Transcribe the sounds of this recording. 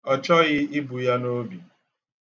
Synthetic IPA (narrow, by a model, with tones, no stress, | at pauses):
ɔ˦t͡ʃɔ˦ɣɪ˦ɪ˦bu˨ja˦no˦bi˨